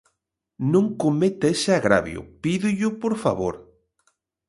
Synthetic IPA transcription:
nõŋkomet̪esɪaɣɾa̰βj̰ʊ̰piðʊʎʊpoɾfa̰βoɾ

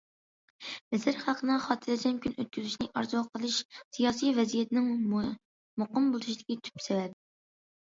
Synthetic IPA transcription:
mɪsɪɾχælˠqʰənɨχɑt̪ʰɨlɪd͡ʒ̪ʲɛmkʲynøt̪̚kʲyzyʃʲnɪʔɑɾzuɑqʰəlˠɨʃsijɑːsijvɛzijɛt̪ɪnɪŋ | moqəmbolˠuʃid̪ɪkʲit̪ʰy̥psewæd̪ɪ

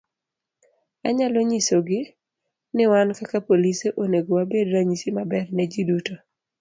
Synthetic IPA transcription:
aɲaloɲisoɡɪ | nɪwankakapoliseʔoneɡowabedɾaɲisimabɛrnɛd͡ʒiduto

